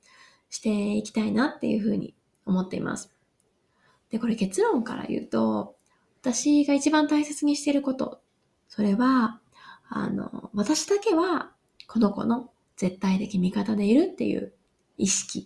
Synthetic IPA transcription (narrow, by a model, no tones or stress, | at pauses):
ɕi̥t̪e̞ikʲi̥t̪ainat̪ːe̞̰jɯ̟̰ɸɯ̟̰ːɲ̟ḭ | o̞mo̞t̪ːe̞ḭmʔa̰sɨ̥ | d̪̥e̞ko̞ɾe̞ke̞t͡sɨɾõ̞ŋka̰ɾa̰jɯ̟̰ːt̪o̞ | βat̪aɕiɡait͡ɕibãnt̪aise̞t͡sɨɲ̟iɕi̥t̪e̞ɾɯ̟ko̞t̪o̞̰ | so̞ɾe̞βa | a̰no̞̰βat̪aɕi̥d̪ake̞βa | ko̞no̞ko̞̰no̞ | z̥e̞t̪ːait̪e̞kʲimʲikat̪ad̪e̞iɾɯ̟t̪ːe̞̰jɯ̟̰ː | iɕi̥kʲi